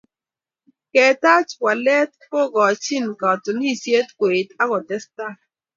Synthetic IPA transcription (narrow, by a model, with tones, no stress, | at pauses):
kɛ˨ta˦t͡ʃwa˨lɛ˦t̚pɔ˦ɡɔ˨t͡ʃi˦nka˨tɔ˨ni˦˨sje˦tkwe˨ta˦ɡɔ˨tɛ˦sta˦